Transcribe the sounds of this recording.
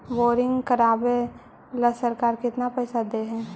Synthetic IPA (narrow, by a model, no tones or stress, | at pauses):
ʋoːɾɪ̃ŋɡkəɾaːbe | ləsəɾkaːɾkɪt̪napɛːsad̪eɦɛ̃ː